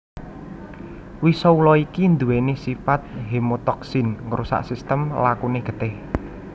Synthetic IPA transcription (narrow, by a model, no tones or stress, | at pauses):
wisɔulɔikind̪uwenesifat̪̚ɦemot̪ɔksinŋɾusa̰ʔsist̪əmlakuneɡ̥ə̤t̪ɛh